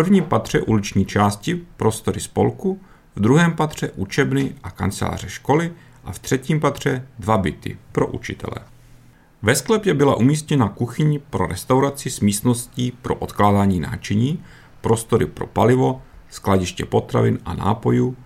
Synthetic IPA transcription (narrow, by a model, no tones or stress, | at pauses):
prvɲiːmpat̪r̝̥ɛ̰ʔulɪt͡ʃɲiːt͡ʃaːscɪpɾo̞st̪o̞ɾɪspo̞̰lku | vd̪ɾuɦɛːmpat̪r̝̥ɛʔut͡ʃɛbnɪʔaka̰nt͡sɛla̰ːr̝ɛʃko̞lɪ | ʔaft̪r̝̥ɛciːmpat̪r̝̥ɛdvabɪt̪ɪ̰pɾo̞ʔṵt͡ʃɪt̪ɛ̰lɛ̰ | vɛsklɛpjɛbɪlaʔumiːst̪ɲɛnakuxɪɲɪpɾo̞ɾɛst̪awɾat͡sɪsmiːst̪no̞sciːpɾo̞ʔot̪klaːdaːɲiːna̰ːt͡ʃɛɲiː | pɾo̞st̪o̞ɾɪpɾo̞̰palɪvo̞sklaɟɪʃcɛpo̞t̪ɾa̰vɪnʔana̰ːpo̞juː